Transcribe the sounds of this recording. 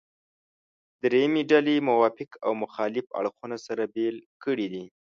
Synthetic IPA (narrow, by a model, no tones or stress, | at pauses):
d̪ɾejameɖalemʊwɑfɪkʰawmʊxɑlɪfa̰ɽxunasaɾabelkəɽid̪i